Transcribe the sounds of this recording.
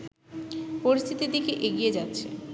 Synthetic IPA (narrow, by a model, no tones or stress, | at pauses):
poɾist̪ʰit̪id̪ikeʔeɡijed͡ʑatːɕʰe